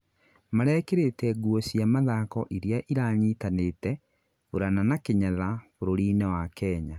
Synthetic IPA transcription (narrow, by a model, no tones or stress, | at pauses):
maɾɛkeɾetɛɡuɔsiamaðakɔʔiɾeaʔiɾaɲiːtanetɛ | foɾananakeɲaðafoɾoɾiːnɛwakɛːɲa